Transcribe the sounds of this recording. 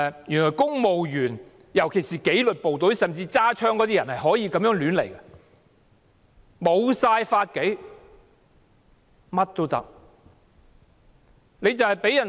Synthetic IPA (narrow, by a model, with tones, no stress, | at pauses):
jyː˨˩nlɔː˨jkʊ˥ŋmo˨wjyː˨˩n | jɐ˨˩wkʰe˨˩jsiː˨ke˨˥jlɵ˨t̚po˨wt̪ɵ˨˥ɥsɐ˨mt͡siː˧t͡saː˥t͡ʃʰœː˥ŋkɔː˨˥t̪iː˥jɐ˨˩nhɐ˨jɦɔː˨˥jiː˧kɐ˨˥mjœː˨˥ŋlyː˨˥nle˨˩jkɐ˧˥ | mo˨˧wsaː˧jfaː˧t̚ke˨˥j | mɐ˥t̚t̪o˥wt̪ɐ̰˥k̚ | le˨˧jt͡sɐ˨whɐ˨jpe˨˥jɐ˨˩n